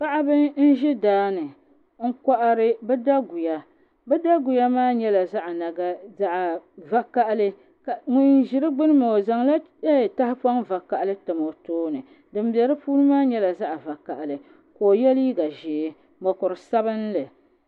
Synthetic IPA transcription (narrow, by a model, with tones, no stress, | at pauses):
pa˦ʔa˦bɨ˦n̩˦ʒɪ˦daː˦nɨ˨ | ŋ̩˦ka˦ʔa˦ɾɨ˦bɛ˦da˦ɡu˨ja˦ | bɛ˦da˦ɡu˨ja˦maː˦ɲɛ˦la˨za˦ʔna˨ɡa˦za˦ʔva˨ka˦˨ʔlɨ˦ | ka˨ŋʊ˨nʒɪ˨ɾɨ˦ɡ͡bɨ˦nɨ˦ma˨za˨ŋla˦ | e˦˨ta˦hɪ˦pa˦ŋva˨ka˨ʔlɨ˦tɨ˨mo˨toː˦nɨ˨ | dɨ˨m˦bɛ˨ɾɨ˦puː˦nɨ˦maː˦ɲɛ˦la˨za˦ʔa˨va˨ka˨ʔlɨ˨ | ko˨jɛ˦li˦ɡa˨ʒeː˨˦ | mɔ˨kʊ˨ɾɨ˨sa˦bɨ˦n˦lɨ˨